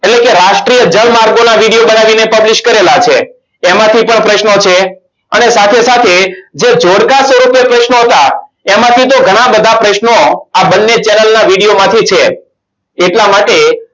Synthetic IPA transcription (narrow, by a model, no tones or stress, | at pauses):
eʈlekeɾaʃʈɾijəd͡ʒəlmaɾɡonaʋiɽijobənaʋinepəbliʃkəɾelat͡ʃʰeː | mãt̪ʰipəɳpɾəʃnot͡ʃʰe | ənesat̪ʰesat̪ʰed͡ʒed͡ʒoɽkasʋəɾupjepɾəʃnoɦət̪a | emãt̪ʰit̪̬oɡʱəɽ̃ãbəd̪ʱapɾəʃnoabənːet͡ʃɛnəlnaʋiɽijomãt̪ʰit͡ʃʰe | eʈlamaʈe